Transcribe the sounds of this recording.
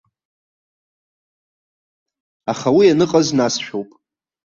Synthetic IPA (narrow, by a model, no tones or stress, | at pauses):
aχawianɨqʼaznasʃᶣowpʼ